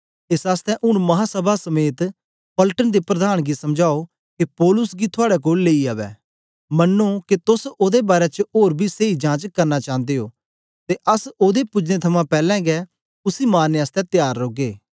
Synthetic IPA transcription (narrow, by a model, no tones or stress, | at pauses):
ɪsaːst̪ɛ̃ʔʊɽ̃mɐɦãːsəbʱasɐmeːt̪ | pəlʈənd̪epɾəd̪aːɽ̃ɡisɐmd͡ʒaːo | kepɔːlʊsɡit̪ʰʊaːɽɛk̬oːlːeːiaːʋɛ̰ː | mɐnːõket̪ʊsoːd̪ebaːɾɛt͡ʃoːɾbʱiseːid͡ʒãːt͡ʃkɐɾnat͡ʃãːnd̪eːoː | t̪eʔɐsoːd̪epʊd͡ʒnet̪ʰɐmãpɛːlɛ̃ɡɛ | ʊsimaːneaːst̪ɛ̃t̪jaːɾːoːɡeː